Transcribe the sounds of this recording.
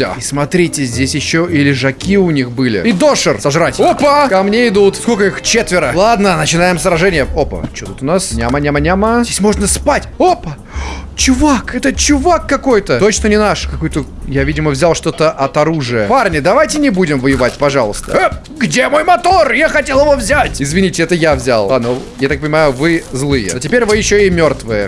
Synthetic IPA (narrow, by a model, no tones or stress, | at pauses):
d̪a̰ismɐt̪ɾʲitʲɪzʲdʲesʲjɪɕːoɪlʲɪʐɐkʲiʊnʲixbɨlʲɪ̰id̪o̞ʂɨrsɐʐɾatʲopəkɐmnʲeɪd̪ut̪skolʲkəixt͡ɕet̪vʲɪɾəlˠad̪nənət͡ɕɪnajɪmsɾɐʐɛnʲɪjəopə̰t͡ɕot̪ut̪ʊnasnʲamənʲamənʲaməzdʲesʲmo̞ʐnəspatʲopə | t͡ɕʊvakɛt̪ət͡ɕʊvakːɐko̞jt̪ət̪o̞t͡ɕnənʲɪnaʂkɐkojt̪əjavʲidʲɪməvzʲalˠʂt̪o̞t̪əʔɐt̪ɐɾuʐɨjəparnʲɪd̪ɐvajtʲɪnʲɪbudʲɪmvəjɪvatʲpɐʐɑlˠəst̪ə̰ | ɡdʲemo̞jmɐt̪o̞rjaxɐtʲelˠɪvo̞vzʲætʲɪzvʲɪnʲitʲɪɛt̪əjavzʲa̰lˠanojat̪ak̚pənʲɪmajʊvɨzlˠɨjə̰ɐtʲɪpʲeɾʲvɨjɪɕːoɪmʲo̞rt̪vɨjə